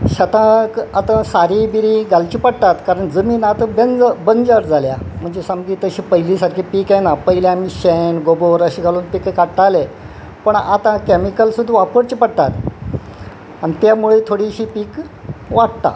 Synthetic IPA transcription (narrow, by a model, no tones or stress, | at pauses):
ɕət̪ãkat̪ãsaɾibiɾiɡalt͡ɕiːpəɽt̪at̪kaɾəɳd͡zəmiːnat̪abənd͡zbənd͡zəɾd͡zalja̰m̤əɳd͡zesəmɡiːt̪əɕiːpəɦilisaɾkʰipiːkajnapəɦiljãmiɕenɡoboɾəɕiɡaluːnpikkaɽt̪ale | pəɳat̪ãkɛmikəlsud̪ʱʋapəɾt͡ɕipəɽt̪at̪ | anit̪jamuɭet̪ʰoɽiɕiːpiːk | ʋaɽt̪a̰